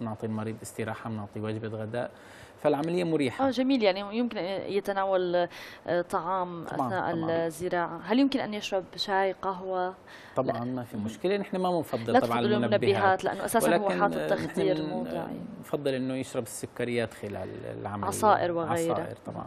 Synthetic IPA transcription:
nʊʕt̪ˤiːnmɑɾiːd̪ˤʔɪst̪ɪɾaːħanʊʕt̪ˤiwaːd͡ʒbaɣad̪a̰ːʔ | falʕamalɪjːamʊɾiːħaʔaːʒamiːljaʕnijɪmkɪnʔjɪt̪anaːwal | t̪ˤɑʕɑːmʔa̰θna̰ːʔɪlzːɪɾɑːʕaɦaljɪmkɪnʔanjɪʃɾˤɑbʃaːjqaɦwaˤ | ɑʕɑnmafimʊʃkɪlenɪħnamamɪnfɑd̪ˤːɨllat̪t̪ːbʕɑˤɪluːnmʊnabːɪhaːt̪lɪʔa̰nːoʔa̰saːswlaːwːħaːɪt̪ːaxt̪iːɾuːd̪ˤɪ̰ʕḭnfɑd̪ˤːɨlʔɪnːʊjɪʃɾˤɑbɪsːʊkːaɾɪjːaːt̪xɪla̰ːl̰ʕa̰mʕɑsˤaːʔɪɾwɪɣʕɑajɾ̰aʔɪ̰ɾt̪ˤɑbʕɑ̰n

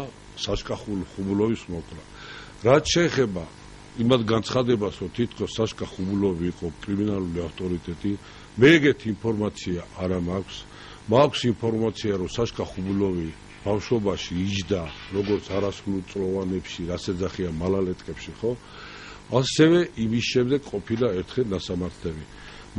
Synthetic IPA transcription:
saʃkʼaχulχubulɔvismɔkʰʼla | ɾat̪ʃɛːχɛba | imat̪ɡant̪sʰχad̪ɛbasɾɔt̪ʰit̪ʰkʰɔsːaʃkʼaχubulɔviːqʼɔkʼɾiminaluliaft̪ʼɔɾit̪ʼɛt̪ʼi | mɛɛɡɛt̪ʰiːmpʰɔɾmat̪sʰiaʔːɾamakʰs | makʰsimpʰɔɾmat̪sʰiaɾɔsaʃkʼaχublɔvi | b̥afʃɔbaʃiːd͡ʒd̪aɾɔɡɔɾt̪sʰaɾaslult̪sʼlɔvanɛpʃiɾasɛd̪zaχiamalalɛt̪ʼkʼɛpʃiχɔ | asɛvɛʔimisʃɛmd̪ɛɡqʼɔpʰilaɛɾt̪ʰχɛlnasamaɾt̪ʰlɛbi

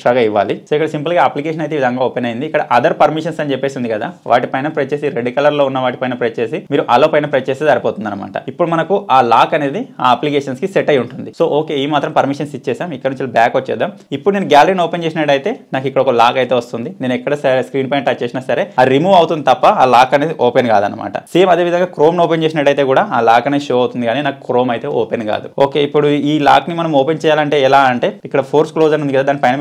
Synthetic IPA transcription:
ʈɾɐɡɐiʋːa̰ːlisoikːɐɽɐsimpɐlɡaːɐplikeːʃɐnɐjt̪eːʋid̪ʱɐŋɡaːoːpenɐjind̪iːkːɐɽɐʔɐd̪ɐɾpɐɾmiʂɐnsɐnt͡ʃɛpːe̞ːsund̪ikɐd̪a̰ːʋʔa̰ːʈipɐjnɐpɾet͡ʃːt͡ʃeːsiɾeɖikɐlɐɾlo̞ːunːɐʋaːʈi̥pɐjnɐpɾet͡ʃt͡ʃe̞ːsimiːɾuʔɐloːpɐjnɐpɾet͡ʃeːst̪esɐɾipoːt̪und̪ɐnɐma̰ːʈɐ̰ipːuɽumɐnɐkuʔaːlaːkɐne̞ːd̪iaːɐplikeːʃɐnskiseʈːɐjuɳʈund̪iso̞ːʔoːke̞iːmaːt̪ɾɐmpɐɾmiʂɐnsit͡ʃːɛːsaːmikːɐɽnuɲt͡ʃilɐbaːkot͡ʃːɛ̰ːd̪ːaːm | ipːuɽuneːnuɡaːlɐɾiːnoːpent͡ʃeːsinɐʈːɐjt̪e̞ːnaːkikːɐɽɐɔkɐlaːkɐjt̪eːʋɐst̪und̪ineːnɛkːɐɽɐsɐɾeskɾiːnpɐjɳʈaːt͡ʃeːsinɐsɐɾe̞ːaːɾimuːʋɐwut̪und̪it̪ɐpːɐaːlaːkɐneːd̪iʔoːpenkaːd̪ɐ̰nːɐ̰mʔa̰ːʈɐ̰siːmɐd̪eːʋid̪ʱɐŋɡaːkɾo̞ːmnoːpent͡ʃe̞ːs̬inɐʈːɐjt̪e̞ːkuːɽaːaːlaːkɐneʃoːɐwt̪und̪iɡaːniːnaːku̥kɾo̞ːmɐjt̪e̞ːʔoːpenka̰ːd̪uoːke̞ːipːuɽuiːla̰ːknimɐnɐmoːpent͡ʃɛːjaːlɐɳʈe̞ːilaːɐɳʈe̞ːikːɐɽɐpʰoːɾsklo̞ːd͡ʒɐɾnund̪iɐd̪aːd̪aːnːipɐjnɐ

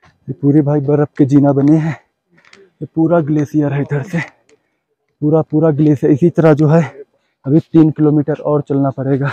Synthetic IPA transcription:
d͡ʒipuːɾebʱaːibəɾəp̚ked͡ʒiːnabəneɦɛ̃ː | t̪opuːɾaɡleːsijaɾəid̪ʱəɽse | puːɾapuːɾaɡleːsaɪsit̪əɾad͡ʒoːɦɛ | ɐbʱit̪iːnkɪloːmiːʈəɾɔːɾt͡ʃəlnapɐɽeːɡaː

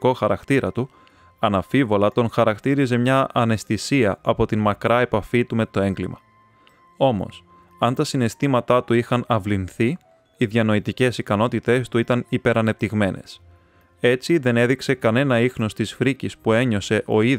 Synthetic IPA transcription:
o̞xɐɾɐkt̪iɾɐt̪u | ɐnɐfivo̞lɐt̪o̞ŋxɐɾɐkt̪iɾize̞mɲɐʔɐne̞st̪isiɐɐpo̞t̪inmɐkɾɐe̞pɐfit̪ume̞t̪o̞e̞ŋɡlimɐ̰ | o̞mo̞̰s | ɐnt̪ɐsine̞st̪imɐt̪ɐt̪uixɐnɐvlinθi | iðʝɐno̞it̪ice̞sikɐno̞t̪it̪e̞st̪uit̪ɐnipe̞ɾɐne̞p̚t̪iɣme̞ne̞̰s | e̞t͡siðe̞ne̞ðikse̞kɐne̞nɐixno̞st̪isfɾicispue̞ɲo̞se̞ʔo̞ið

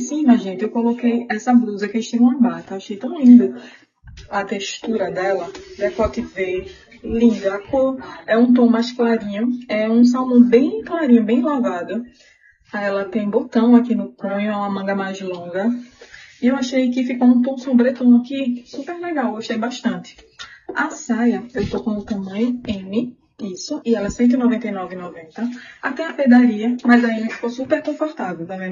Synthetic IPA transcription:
sĩmɐʒĩnt̪ɪewkõlokejɛsɐbɾuzɐkeʃt̪ĩvũɐbat̪ɐeaʃejt̪ɐ̃w̃lĩnd̪ʊ | ɐt̪eʃt̪uɾɐd̪ɛlɐd̪ɛkɔt̪ɪve | lĩnd̪ɐakoɾɛũt̪̬õw̃majsklaɾĩɲɐɛũs̬awmõw̃bẽj̃klaɾĩɲʊ̃bẽj̃lavad̪ɐ | aɛlɐt̪ẽj̃bot̪ɐ̃w̃akinʊkõɲʊɛũmɐmɐ̃ŋɡɐmajzlõɡɐ | iewaʃejkɪfikoũp̪õw̃sõbɾet̪õw̃akisupeɾlɛɡawɡoʃt̪ejbaʃt̪ɐ̃nt̪ɪ̥ | asajɐewt̪okõʊt̪ɐ̃mɐ̃ɲ̃ʊẽnɪ | isʊʔɪɛlɐsẽnt̪̬ʊɪnɔvẽnt̪ɐjnɔvɪnɔvẽnt̪ɐat̪ẽj̃ɐped̪aɾiɐmɐjzɐẽnɪfi̥kowsupeɾkõfoht̪avewt̪avẽ

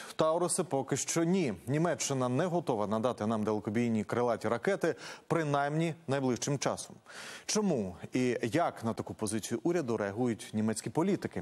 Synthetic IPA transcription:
wt̪ɑɔɾʊsɪpɔkɪʃt͡ʃɔnʲinʲimɛt͡ʃːɪnɐnɛɦɔt̪ɔʋɐnɐd̪ɑt̪ɪnɑmd̪elˠkɔbʲijnʲikɾɪlˠɑtʲiɾɐkɛt̪ɪpɾɪnajmnʲinɐjblˠɪʃt͡ʃɪmt͡ʃɑ̰sɔmt͡ʃɔmuijɐknɐt̪ɐkupɔzɪt͡sʲijʊʔuɾʲɐd̪ʊɾɛɐɦujʊtʲnʲimɛt͡sʲkʲipɔlʲit̪ɪkɪ

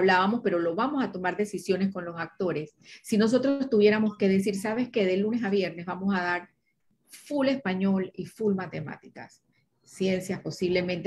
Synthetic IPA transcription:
βlaβamo̞spe̞ɾo̞lo̞βamo̞sat̪o̞maɾðe̞sisjo̞ne̞sko̞nlo̞sak̚t̪o̞ɾe̞sː | ino̞s̬o̞t̪ɾo̞st̪uβjeɾamo̞ske̞ðe̞s̬iɾsaβ̞e̞ske̞ðe̞lune̞saβje̞ɾne̞zβamo̞saðaɾ | fule̞spaɲo̞lifulmat̪e̞ma̰t̪ika̰s | sje̞nsjasposiβle̞mẽ̞nt̪e

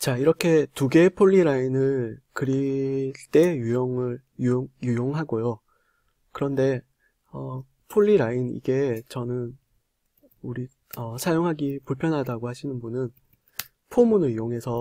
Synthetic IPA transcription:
t͡ɕaiɾʌkʰe̞tuɡe̞pʰoɭːiɾainɯɭkɯɾiɭt͈e̞jujoŋɯɭ | jujoŋjujoŋɦaɡojo | kɯɾʌnde̞ | ʌ | pʰoʎːiɾainḭɡe̞t͡ɕʌnɯn | uɾi | ʌsʰajoŋɦaɡipuɭpʰjʌnɦadaɡohaɕʰinɯnbunɯn | pʰomunɯɭjoŋɦe̞sʰʌ

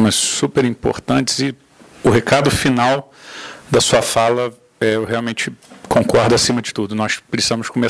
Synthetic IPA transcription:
mɐssupeɾĩpo̰ɾt̪ɐ̃t͡ʃɪ̥z̥ɪ | ʊɦekad̪ʊfinaw | d̪ɐsuɐfalɐ | ɛewɦeawmẽt͡ʃɪkõŋkɔɾd̪ɐasĩmɐd͡ʒɪt̪ud̪ʊnɔspɾɪsizɐ̃mʊskome

